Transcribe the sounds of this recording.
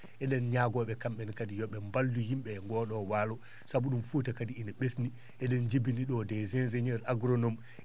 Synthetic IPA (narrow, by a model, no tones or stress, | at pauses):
ʔɛɗɛnɲaɡɔɓɛkamɓɛnkadijɔɓɛmbalduhimɓɛŋɡɔɗɔwaːlɔ | sabuɗumfutakadiinaɓesni | ʔɛɗɛnd͡ʒibiniɗɔdɛzɛnzɛɲɛɾʔaɡɾɔnɔm